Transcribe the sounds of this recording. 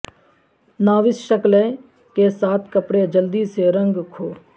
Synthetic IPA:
naːʋɪsʃəklẽ | kesaːt̪ʰkəpɽed͡ʒəld̪iseɾə̃ŋɡkʰoː

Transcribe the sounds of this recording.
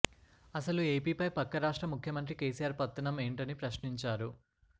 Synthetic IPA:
ɐsɐlueːpiːpɐjpɐkːɐɾaːʂʈɾɐmukʰjɐmɐnt̪ɾike̞ːsijaːɾpɐt̪ːɐnɐme̞ːɳʈɐnipɾɐʃniɲt͡ʃaːɾu

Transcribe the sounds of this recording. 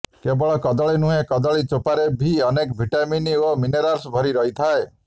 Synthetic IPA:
kebɔɭɔkɔd̪ɔɭinũɦẽkɔd̪ɔɭit͡ʃopaɾebʱiɔnekbʱiʈaminiomineɾaɾsbʱɔɾiɾɔɦit̪ʰae

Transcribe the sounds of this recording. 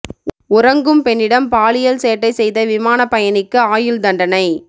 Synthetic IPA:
ʊɾɐŋɡɯmpɛɳːɪɽɐmpaːlɪjɐlseːʈːɐɪsɛjðɐʋɪmaːnɐpːɐjɐnɪkːɯaːjɪld̪ɐɳɖɐnɐɪ

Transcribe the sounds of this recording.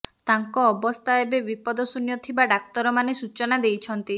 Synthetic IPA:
t̪aŋkɔːbɔst̪ʰaebebipɔd̪ɔsunjɔt̪ʰibaɖak̚t̪ɔɾɔmanesut͡ʃɔnad̪ejt͡ʃʰɔnt̪i

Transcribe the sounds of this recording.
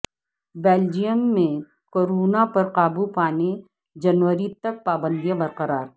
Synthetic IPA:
beːld͡ʒijəmːẽ | koːɾoːnapɐɾqaːbupaːne | d͡ʒɐnʋəɾit̪ɐk̚paːbə̃nd̪ijãbɐɾqɐɾaːɾ

